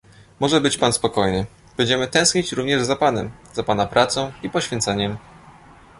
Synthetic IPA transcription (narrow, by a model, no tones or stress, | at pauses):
mɔʐɛbɘt͡ɕpanspɔkɔjnɘ | b̥ɛɲd͡ʑɛmɘt̪ɛ̃w̃skɲet͡ɕɾuvɲɛʐzapanɛ̰mz̥apanapɾʔat̪sɔ̃w̃ipɔɕfʲjɛnt̪sɛɲɛm